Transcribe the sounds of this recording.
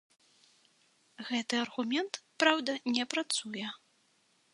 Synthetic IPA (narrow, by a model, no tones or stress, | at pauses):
ɣɛt̪ɨɐrɣumʲɛnt̪pɾawd̪ɐnʲɛpɾat̪sujɛ